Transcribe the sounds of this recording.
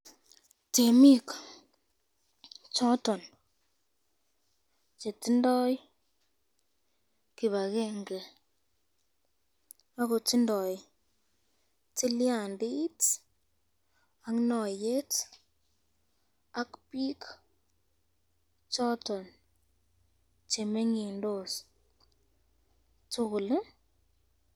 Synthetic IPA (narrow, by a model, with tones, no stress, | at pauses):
te˨mi˦k | t͡ʃɔ˦tɔ˨n | t͡ʃe˨ti˦ndɔ˦j | ki˨βa˨ke˦ŋɡe˨ | a˦ko˨ti˦ndɔ˨j | ti˦lja˨nde˦t | a˦ŋnɔ˨je˦t | a˦kpi˦k | t͡ʃɔ˦tɔ˨n | t͡ʃe˨me˦ŋi˨ndo˦˨s | tʊ˦kʊ˨l